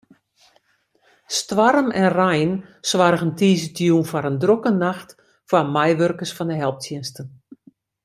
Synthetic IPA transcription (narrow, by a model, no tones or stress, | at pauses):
stʋaɾəmɛnrɛjnsʋarɣəntiːzətʰjuːnfaɾəndrokənaxt | famajʋørkəsfɔndəɦɛlˠp̚tʰjɪnstən